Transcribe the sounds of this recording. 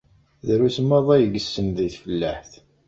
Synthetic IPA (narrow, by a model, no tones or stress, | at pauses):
ðɾusəmːæðˤæjəɡəsːənðiθfəlːəħθ